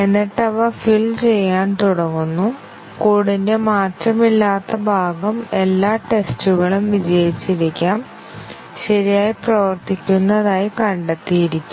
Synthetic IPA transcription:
enːiʈːɐʋɐfilt͡ɕe̞jːaːnt̪uɽɐŋːunːu | kuːɽinde̞maːtrɐmilːaːt̪ːɐbʱaːɡɐme̞lːaːʈe̞stuɣɐɭumʋid͡ʑɐjit͡ɕːiɾikʲːaːm | ɕɐɾijaːjiprɐʋɐrt̪ikʲːunːɐðaːjikɐɳɖet̪ːijiɾikʲːu

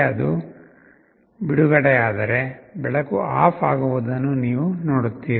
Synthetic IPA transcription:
ɐd̪u | biɽuɡɐɽɛjaːd̪ɐɾe̞bɛɭɐkuaːpa̰ːɡuʋud̪ɐnːuniːʋunoːɽut̪ːiːɾi

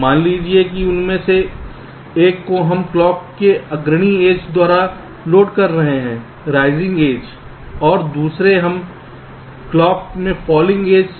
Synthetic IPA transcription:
maːnliːd͡ʒiek̬iʊnmẽse | eːkːoɦɐmklɔːp̚keɐɡɾɽ̃ieːd͡ʒd̪waːɾa | loːɖkɐɾːɐɦeɦɛ̃ː | ɾaːɪzɪ̃ŋɡeːd͡ʒ | ɔːɾd̪uːsɾeɦɐm | klɔːp̚mẽfʰɔːlɪ̃ŋɡeːd͡ʒ

